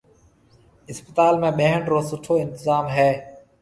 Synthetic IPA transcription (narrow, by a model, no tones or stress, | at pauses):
ɪspət̪aːlmẽːɓẽːɦəɳɖɾoːsʊʈʰːoːɪnt̪ɪzaːmɦeː